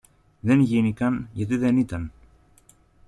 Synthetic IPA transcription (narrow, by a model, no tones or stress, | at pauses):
ðe̞nʝinikɐnʝɐt̪̬iðe̞nit̪ɐn